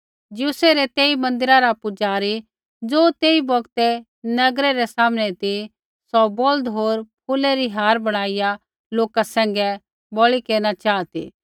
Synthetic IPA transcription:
d͡ʒuseɾɛt̪eːimɐ̃nd̪ɪɾaɾapʊd͡ʒaːɾi | d͡zoːt̪eːibɔɡt̪ɛ | nɐɡɾeɾɛsaːmñɛt̪i | sɔbɔld̪ɦoːɾpʰuleɾiɦaːɾbɐɽ̃aːɪja | loːkasɛ̃ːŋɡɛ | bɔːɭikeːñat͡ʃaːt̪ḭː

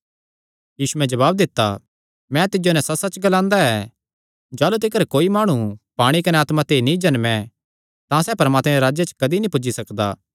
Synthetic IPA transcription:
jiːsuɛ̃d͡ʒɐβaːb̚d̪ɪt̪ːa̰ | mɛ̃t̪ɪd͡ʒonɛ̃sɐsɐt͡ʃɡɐlãːnd̪aɛ | d͡ʒaːlut̪̬ɪkəɾkoːimaːɽ̃upaːɽ̃ikɐnɛaːt̪mãt̪eːinĩd͡ʒɐnmɛ̃ | t̪ãsɛːpɐɾmaːt̪mɛɾaːd͡ʒjet͡ʃkɐd̪inĩpʊd͡ʒːisɐkd̪a̰ː

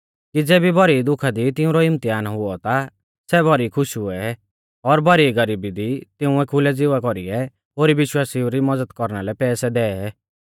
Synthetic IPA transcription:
kid͡zeːbibɐɾid̪ʊkʰad̪it̪ɪũɾɔɪmt̪iaːnɦʊɔt̪a | sɛbʱɔɾikʰʊʃɦʊɛ | ɔɾbʱɐɾiɡəɾiːbid̪it̪ɪũɛkʰʊlɛd͡zɪʋakɔɾḭɛ | ɦoːɾiʋɪʃwaːsiuɾimɐd͡zəd̪kɔɾñalɛpɛːsɛd̪ɛːɛɛ

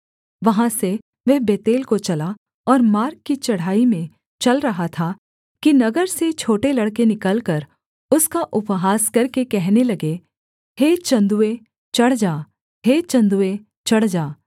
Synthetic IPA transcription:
ʋɐɦãse | ʋɛɦbeːt̪eːlkot͡ʃɐla | ɔːɾmaːɾkːit͡ʃɐɽ̤aːimẽ | t͡ʃɐlɾɐɦat̪ʰa | kinɐɡəɾset͡ʃʰoːʈelɐɽkenɪkəlkɐɾ | ʊskaʔʊpɦaːskɐɾkekɛɦnelɐɡe | heːt͡ʃɐ̃nd̪ue | t͡ʃɐɽd͡ʒaː | ɦeːt͡ʃɐ̃nd̪ue | t͡ʃɐɽ̤d͡ʒaː

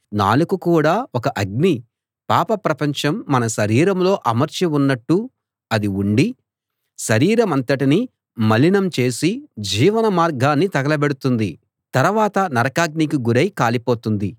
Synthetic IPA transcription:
na̰ːlukukuːɽaːɔkɐʔɐɡ̚ni | paːpɐpɾɐpɐɲt͡ʃɐmːɐnɐʃɐɾiːɾɐmlo̞ːʔɐmɐɾt͡ʃiunːɐʈːu | ɐd̪iuɳɖi | ʃɐɾiːɾɐmɐnt̪ɐʈini | mɐlinɐmt͡ʃe̞ːsid͡ʒiːʋɐnɐmaːɾɡaːnːit̪ɐɡɐlɐbeɽut̪und̪i | t̪ɐɾuʋaːt̪ɐnɐɾɐkaːɡ̚nikiɡuɾɐjkaːlipoːt̪und̪i

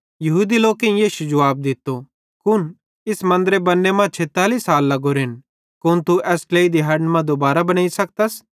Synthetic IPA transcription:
jɐɦud̪iloːkẽĩjiːʃud͡ʒɐʋaːb̚d̪ɪt̪ːo | kʊn | ɪsmɐ̃nd̪əɾebɐnːemãːt͡ʃʰeːt̪aːlisaːlːɐɡoɾɪn | kʊnt̪uʔɛːskleːid̪iɦɐɖnmãd̪obaːɾabɐñaːisɐk̚t̪əs

